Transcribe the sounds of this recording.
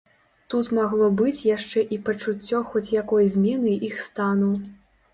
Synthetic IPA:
t̪ut̪maɣlˠɔbɨt͡sʲjaʂt͡ʂɛʔipɐt͡ʂut͡sʲːɔxɔt͡sʲjakɔjzʲmʲɛnɨixst̪anuw

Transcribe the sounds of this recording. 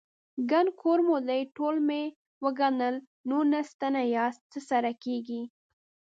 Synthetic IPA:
ɡankʰoɾmod̪ajʈolme | wəɡanəl | nonast̪anajɑst͡səsaɾakeɡi

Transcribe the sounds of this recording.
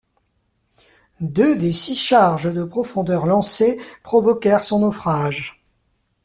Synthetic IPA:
d̪ød̪esiʃaʁʒd̪əpχɔfɔ̃d̪œʁlɑ̃sepχɔvɔkʲɛʁsɔ̃nɔfχaʒ

